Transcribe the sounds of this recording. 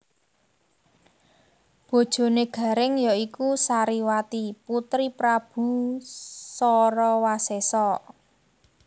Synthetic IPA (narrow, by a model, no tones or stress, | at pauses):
b̥o̤d̥ʒ̥o̤neɡ̥ä̤ɾɪŋjɔikusaɾiwat̪iput̪ɾipɾab̥ṳ | sɔɾɔwasesɔ